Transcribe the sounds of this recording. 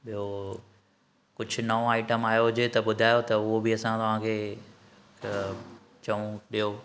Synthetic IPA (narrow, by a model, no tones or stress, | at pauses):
ɓijo | kʊd͡ʑʱʊ̆nɐoaːɪʈəmaːjoɦʊd͡ʑet̪ɐɓʊd̪ʱaːjot̪ɐʊɦobʱiɐsãt̪ɐʋ̤ãkʰeː | t͡ɕɐũɗijo